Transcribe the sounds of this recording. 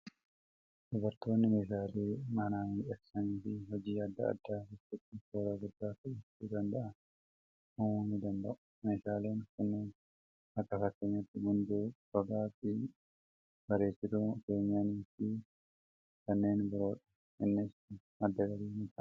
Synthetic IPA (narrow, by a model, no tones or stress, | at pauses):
d̪ʊbɐɾt̪o̞ːnːɪmeːs̬aːleːmɐnaːmᶑɐksɐniːfɪɦɔd͡ʒiːad̪ːɐ̰ɐ̰d̪ːaːkɪtːɪt̪ːɪkoːɾɐɡʊd̪ːaːkɐʔɛɪd̪ɐnd̪ɐʔɐn | munɪd̪ɐnd̪ɐʔʊ̥ | meːsaːleːnkɐnːeːn | ɐkːɐsɐkːeɲːɐt̪ːɪɡʊnd̪uːbɐɡaːfɪ | b̥ɐɾe̞ːsɪɾʊke̞ːɲaːniːfɪ | kɐnːe̞ːnbɪɾo̞ːᶑɐ̥ | ɪnːɪs | ɐd̪ːɐɡɐɾiːmɪt̪ɐ